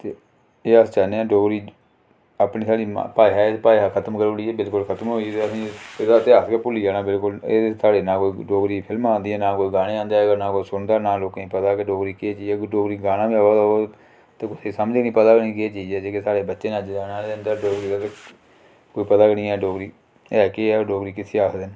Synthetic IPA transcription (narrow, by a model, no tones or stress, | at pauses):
t̪eː | eːəst͡ʃaːneːãːɖoːɡɾiː | aːpniːsaːɽiːm̰paːiɦɛːepaːɦakʰət̪əmkəɾoːɽiːɛːbɪlkʊlkʰət̪əmɦoːit̪eəsĩːeːd̪aːt̪eaːskepʊliːaːnaːbɪlkʊleːsʰaːɽeːnãːkoːiːɖoːɡɾiːpʰɪlmãːnd̪iːɛːnaːkoːiːɡaːɽẽãːnd̪aːəɡəɾnaːkoːisʊnd̪aːnaːloːkẽĩːpət̪aːkeɖoːɡɾiːkɪeːt͡ʃiːd͡ʒːɡəɖoːɡɾiːɡaːnaːbiːaːad̪ao | t̪eːkʊseːsəmd͡ʒknĩːpət̪aːɡəniːkɪeːt͡ʃiːd͡ʒɛːd͡ʒeːkesaːɽeːbətːʃeːnad͡ʒaːnaːend̪aːɖoːɡɾiːd̪aːt̪e | koːiːpət̪aːɡənĩːɛːɖoːɡɾiː | ɛːkeɛːɖoːɡɾiːkɪsʰeːaːsd̪ɪn